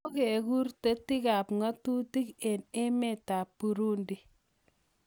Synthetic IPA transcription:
o˦ke˨ku˦rte˦ti˦ka˨pŋa˦tu˦ti˦kɛ˨ne˦mɛ˨ta˨pːu˨ɾu˦ndi˨

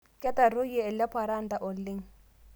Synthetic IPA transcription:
kʼɛ˦ta˨ɾo˦jɛ˦ɛ˨la˦pʰʼa˨ɾa˦nt̪a˨ʔʊ˨lːɪ˦ŋ̩

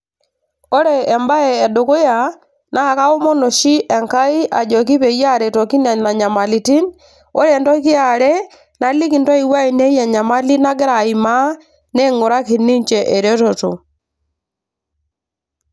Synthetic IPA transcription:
o˦ɾɛː˨mba˦ɛː˨ɗo˨ko˦ja˨ | naː˦˨ka˦o˦mɔ˦no˨ʃi˦ʔɛ˨ŋka˦i˦ʔa˨d͡ʒɔ˨ki˦pɛ˨ja˦ɾɛ˨tɔ˨ki˦na˨na˨ɲa˨ma˨li˨ti˦n | o˦ɾɛ˨ntɔ˦ki˦a˨ɾɛ˦ | na˨˦li˦ki˨ntɔ˦i˨wa˦i˨nɛ˦jɛ˨ɲa˨ma˦li˦na˦ɡɛ˦ɾa˨i˨ma˦ | nɛ˦ŋo˨ɾa˦ki˨ni˦ɲt͡ʃɛ˨ʔɛ˨ɾɔ˦tɔ˨to̰˨

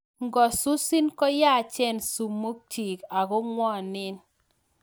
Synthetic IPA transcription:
ŋɡɔ˨su˦si˦nkɔ˦ja˦˨t͡ʃɛ˦˨nsu˨mːo˦k̚ti˨ka˨ɡɔ˦ŋwɔ˦˨nɪ˦n

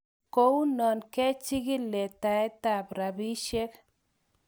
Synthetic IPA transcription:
ko˦u˦nɔ˨nkɛ˦t͡ʃi˦ɡɪ˦lːɛ˨t̪a˨ɛ˦t̪a˨pɾa˨bi˦ʃɛ˦k

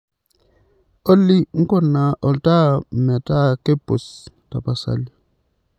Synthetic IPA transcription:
o˦lːi˦ŋ̩˦kɔ˦˨nːa˨ʔɔ˨lta˦mɛ˨ta˦ke˦bo̰˨s | ta˨pa˨sa̰˦˨li˦

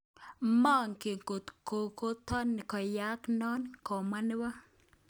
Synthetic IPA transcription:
ma˦ŋke˨ŋko˨t̪ko˨ko˦t̪ɔ˦n˨kɔ˨ja˦knɔ˦nkɔ˨ma˦nɪ˦wa˦

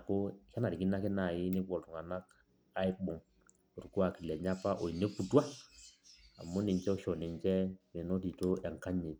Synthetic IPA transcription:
ko˦ka˦na˨ɾi˨ki˦na˦kɪ˦na˨jɪ˦nɪ˦pɔ˨ltʊ˨ŋa˨na˦k̚ | a˦ɪ˦ɓʊ˨ŋ | ʊ˨ɾku˦a˨ki˨lɛ˨ɲa˦pa˦ʔo˨i˨ne˦pu˨ta˦ | a̰˨mʊ˦nɪ˨ɲt͡ʃɛ˦ɔ˦ʃɔ˨nɪ˨ɲt͡ʃɛ˦me˨no˦ti˨to˦ɛ˨ŋ˨ka˦ɲe˨t

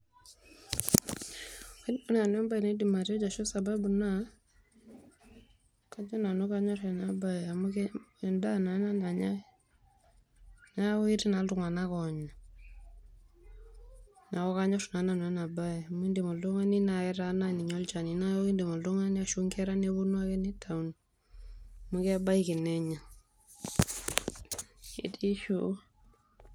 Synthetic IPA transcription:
nɔ˦n˦a˨nɛ˦mba˦i˨ne˦di˨ma˨ɾɔ˦d͡ʒa˨ʃɔ˦sababuna | kad͡ʒɔ˦na˨no˦ka˦ɲɔ˦ɾɛ˨nabaɛamukɛ˨nda˦na˨˦na˦na˨ɲa˦ | na˦i˦ɾina˨ltu˦ŋa˨na˦kɔ˨ɲa | na˨kɔ˦ka˦ɲɔtna˨na˨n˨ɛ˦na˨ba˦ɛa˨m˦i˦ndi˨mɔ˨ldu˦ŋa˦ni˦na˨ɛɾana˦ni˨ɲɔ˦lt͡ʃa˨ni˨na˦jɔ˦i˦nde˨mɔ˨ldu˦ŋa˦ni˦aʃu˦ŋkɛ˦ɾa˦neβu˦nwa˦kɛni˦tʰa˨un | mu˦kɛba˦iki˨nɛ˦ɲa˨ | ḭti˦ʃu

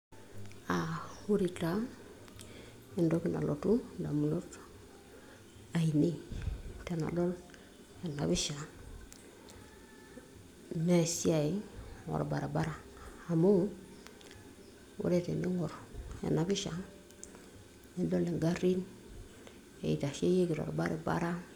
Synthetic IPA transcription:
a˨hu˦ɾi˨ta˦ | i˦ndo˦ki˦na̰˨lo˨tu˦nda˨mu˨no˦t | a˨i˨ni˦te˨na̰˨do˦l | e˨na˨bi˦ʃa˨ | ne˨si˦a˨i˦ŋo̰ɾba˨ɾe˨ba˦ɾa˨a˨mo˦ | wṵ˦ɾe˦tḛ˨ni˦ŋo˨ɾḛ˨na˦bi˦ʃa˨ | ni˦ndo˦le˨ŋɡa˦ɾi˦n | ḛ˨i˨ta˨ʃe˦je˦ki˨to̰˨ɾba˦ɾe˨ba̰˦ɾa˦

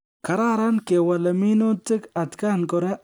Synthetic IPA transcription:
ka˨ɾa˦ɾa˦nke˨wa˨lɐ˨mi˦no˦tɪ˦ka˨t̪ka˦˨nkɔ˨ɾe˦

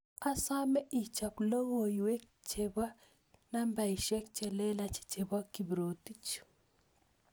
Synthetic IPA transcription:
a˦sa˦mɛ˦ʔi˨t͡ʃa˨plo˦ŋo˨ju˨we˦k | t͡ʃe˨ba˦ | na˦mba˨i˨ʃɛ˦k̚t͡ʃɛ˨lɛ˦la˨t͡ʃi̥˨t͡ʃe˨ba˦ki˨bɾo˨ti˦t͡ʃu̥˨

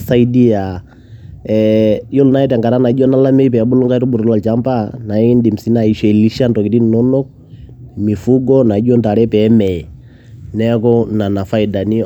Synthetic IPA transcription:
sa˦i˦di˦a˨ | ɛjɔ˦lna˦ɛ˦tɛ˨ŋɡa˨ɾa˦na˨˦d͡ʒɔ˦na˦la˦mɛ˦i˦pɛ˨ɓu˦lɔ˦ŋɡa˦i˦ɾɔ˦ɓu˨ɾɔ˨la˨lt͡ʃa˦mpa˦na˨i˦ndi˨m̩˨si˨˦na˦˨i˨ʃɛ˨li˦ʃa˦ntɔ˨ki˨ti˦nnɔ˦nɔ˦k̚ | mi˨fu˦ɡɔ˦na˨˦d͡ʒɔ˦nta˨ɾɛ˦pɛ˦mɛ˨ɛ˨ | nɛ˦kɔ˦na˨na˨fa˦i˨da˨ni˦

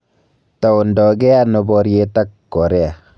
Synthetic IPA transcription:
ta˨o˨ndɔ˨ɡɛ˦a˦no˨bɔ˦ɾje˦ta˦kːɔ˨ɾɛ˦a˨

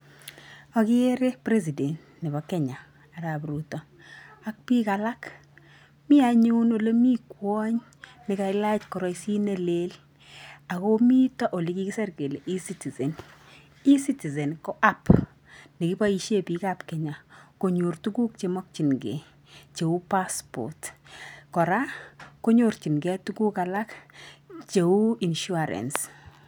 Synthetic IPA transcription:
ɔ˨kɪ˦e˦ɾe˦pɾe˦s̬i˨de˨nt | nɪ˨bɔ˨kɛ˦ɲa˨ | a˨ɾa˨p̬ɾu˨tɔ˨ | a˦k̚pi˦kala˦k | mɪ˦aɲu˦no˨lo˦mi˦kwɔ˦ɲ | nɪ˨ka˨ɪla˦t͡ʃkɔ˨ɾɔ˨jsi˦ne˦le˦l | a˨komi˦tɔ˦ʔo˨li˨ki˦ki˦sɛ˦rke˨le˨ʔi˦si˦ti˨ze˨n | i˦si˦ti˨zɛ˨nkɔ˦ʔa˦p | nɪ˨ki˦ba˦iʃe˦pi˦kapkɛ˨ɲa˨ko˨ɲu˨ɾtu˦ku˦k̚t͡ʃemɔ˦k̚t͡ʃi˨nɡḛ˨ | t͡ʃe˨u˦paspɔ̰tkɔ˨ɾa˦ko˦ɲoɾt͡ʃi˨nɡɛ˦tu˦ku˦kala˦k | t͡ʃe˨u˦i˨nʃu˦aɾɛ̰˨ns

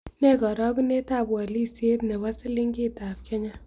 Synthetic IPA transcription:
nɛ˦kɔ˨ɾɔ˦ku˦ne˦ta˦˨pwa˨li˦se˦tnɛ˨wa˦sɪ˦li˦ŋɡi˦ta˨p̚kʰɛ˦ɲa˦

